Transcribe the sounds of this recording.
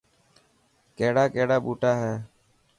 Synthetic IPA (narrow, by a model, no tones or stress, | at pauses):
keːɽaːkeːɽaːɓuːʈaːɦɛː